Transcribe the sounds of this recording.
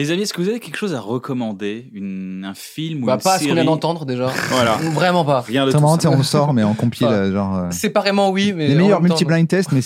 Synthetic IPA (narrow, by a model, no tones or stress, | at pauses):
lezamiɛskəvuzavekʲɛlkʃozaʁəkɔmɑ̃d̪eynɛ̃filmubapaskɔ̃vjɛ̃d̪ɑ̃t̪ɑ̃d̪ʁd̪eʒavwalavʁɛmɑ̃paʁjɛ̃d̪sɛmaɑ̃t̪eɔ̃ləsɔʁmɛɔ̃kɔ̃pʰiləʒɑ̃ʁøsɛpaʁemɑ̃wimɛlemejjœʁmylt̪iblɛ̃nt̪ɛst̪mɛ